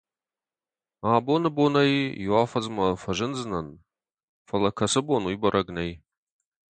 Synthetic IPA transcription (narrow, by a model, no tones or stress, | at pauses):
aːbonɨbonɐjjuaːfɐzmɐfɐʒɨnzɨnɐn | fɐlɐkʰɐsɨbonujbɐɾʔɐɡnej